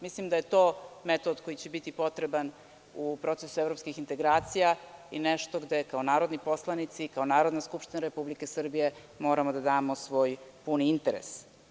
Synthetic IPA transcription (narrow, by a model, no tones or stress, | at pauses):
mislimd̪aje̞t̪o̞ːmet̪od̪kojit͡ɕebit̪ipo̞t̪ɾe̞ban | upɾo̞t̪sesuevɾopskixint̪e̞ɡɾaːt̪sijaineʃt̪oɡd̪ekaonaːɾo̞d̪nipo̞slˠanit̪sikaonaːɾod̪naskupʃt̪inaɾe̞publike̞sr̩bije̞ | mo̞ːɾamod̪ad̪aːmo̞sʋo̞ːjpuniint̪eɾḛs